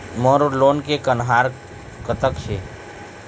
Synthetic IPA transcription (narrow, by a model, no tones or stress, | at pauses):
moɾoloːnkekənɦaːɾ | kət̪əkʃʰe